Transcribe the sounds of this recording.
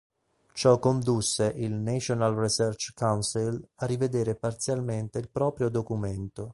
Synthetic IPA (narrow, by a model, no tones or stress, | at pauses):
t͡ʃɔkːond̪usːeʔilnet͡ʃonalrisɛrt͡ʃkawnsilarːived̪eːɾepart̪sjalment̪eilpɾɔːpɾjod̪okument̪o